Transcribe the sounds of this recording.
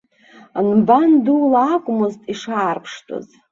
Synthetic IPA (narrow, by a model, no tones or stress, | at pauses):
anbandulaːkʷʼʊmɨztʼiʂaːrpʰʂtʰʼo̰z